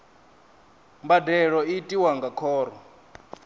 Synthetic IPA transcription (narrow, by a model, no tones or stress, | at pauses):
mbadɛɺɔitʼiwaŋɡakʰɔːɾɔ